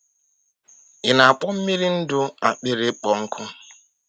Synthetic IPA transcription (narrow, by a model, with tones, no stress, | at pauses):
ɪ˨na˨a˨k͡pʊ˦m̩˦mi˦ɾi˦n̩˦dʊ˦a̰˨k͡pɪ˦ɾɪ˦k͡pɔ˨ŋ̩˦kʰʊ˦